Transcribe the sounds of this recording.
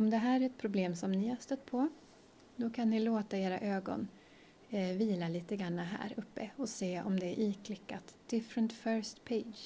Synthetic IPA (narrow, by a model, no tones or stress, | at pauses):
ɔmd̪ɛɦæːɾæɾɛt̪̚pʰɾʊbleːmsɔmnɪhast̪ət̪pʰɔ | d̪ɔkʰanːɪloːt̪aeːɾaʔøːɡɔ̰n | viːlaliːt̪əɡɾanːaɦæ̰ːɾɵpːəɔseːɔmd̪ɛæɾʔiːkʰlɪkːat̪d̪̥ɪfɾənt̪fœɾst̪pʰeɪd̪d͡ʒ